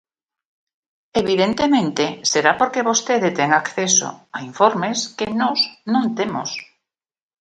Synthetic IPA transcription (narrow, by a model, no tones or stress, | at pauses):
eβiðent̪emẽnt̪eseɾapoɾkeβost̪eðet̪eŋakθeso̰aiɱfoɾmeskenɔznõnt̪emo̰s